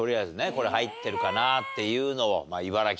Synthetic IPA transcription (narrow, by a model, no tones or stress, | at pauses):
o̞ɾʲiazɨneko̞ɾe̞hait̪ːe̞ɾɯ̟kanat̪ːe̞jɯ̟ːno̞o̰maiβaɾakʲ